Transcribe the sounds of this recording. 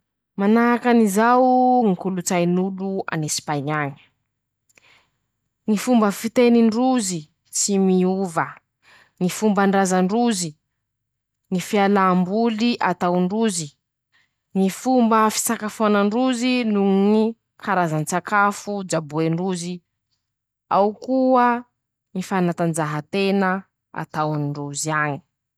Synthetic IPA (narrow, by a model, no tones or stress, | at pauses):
manakanizawŋikulut͡sajnulua̰nesi̥paɲaɲə̥ | ŋifumbəfit̪eniɳɖ͡ʐuzi | t͡simiuvə | ŋifumbaɳɖ͡ʐazaɳɖ͡ʐuzi | ŋifialaːmbuliʔat̪awɳɖ͡ʐuzi | nifumbəfi̥t͡sakafuanaɳɖ͡ʐuzinuni | kʰaɾazant͡sakafud͡ʒabueɳɖ͡ʐuzi | a̰wkuə | nifanat̪and͡ʒaɦat̪enə | a̰t̪awnruziaɲi̥